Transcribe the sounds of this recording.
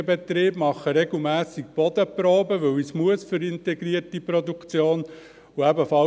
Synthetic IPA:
əbɛt̪ɾiːb̥mɑχːəɾɛɡl̩mæːsik̚b̥ɔd̪əpɾoːbəʋɵwismuəsføɾɪnt̪ɛɡɾiəɾtipɾɔd̪ukt͡sjoːn | uæbəfɑ

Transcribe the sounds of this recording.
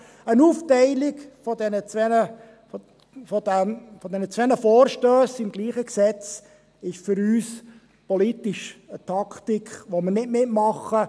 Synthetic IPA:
ənuːftɛɪlɪɡfɔd̪ɛnət͡sʋɛnə | fɔdæfɔd̪ɛnət͡sʋɛnəfɔːɾʃtøːsɪmɡ̥liːχəksɛt͡s | ɪʃfʏɾyːs | pɔlitiʃət̪ʰɑkʰt̪ikχʋoməɾnɪtmɪtmɑχə

